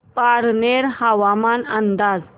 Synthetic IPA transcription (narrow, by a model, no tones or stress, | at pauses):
paɾneɾhaʋamanənd̪ad͡z